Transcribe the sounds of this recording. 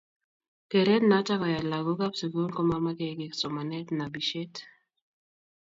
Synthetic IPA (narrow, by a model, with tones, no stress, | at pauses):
ke˨ɾe˦tna˨˦ta˦kɔ˨ja˨la˨ɡo˦ka˦psi˨ko˦lkɔ˦ma˦ma˦ke˦kɪ˨ksɔ˨ma˨nɛ˦tna˨bi˨ʃe˦t